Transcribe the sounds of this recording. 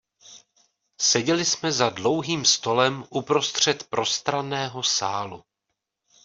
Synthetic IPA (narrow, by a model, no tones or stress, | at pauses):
sɛɟɛlɪsmɛzadlo̞wɦiːmst̪o̞lɛmʔupɾo̞st̪r̝̥ɛt̪pɾʔo̞st̪ɾanɛːɦosaːlu